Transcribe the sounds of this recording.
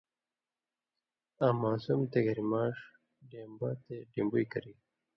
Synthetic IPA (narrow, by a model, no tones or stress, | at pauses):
aːmaːsumt̪eɡɐɾimaːʂ | ɖeːmbat̪eɖeːmbujkɐɾi